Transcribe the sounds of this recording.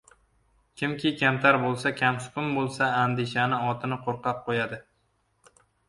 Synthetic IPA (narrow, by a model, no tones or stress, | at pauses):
kʲʰɪmkʲɪkʲʰamt̪ʰaɾbolˠsakʲʰamsʊ̥kʲʊmbolˠsaːnd̪ɪʃanɪɒt̪ʰɪnɪqʰoɾqɑp̚qʰojad̪ɪ